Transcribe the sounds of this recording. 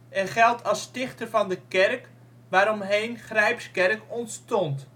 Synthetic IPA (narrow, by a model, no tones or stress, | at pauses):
ɛχɛlˠtʰɑlˠstɪχtərvɑndəkɛrk | ʋaːɾɔmɦejnχrɛjpskɛrkɔntstɔnt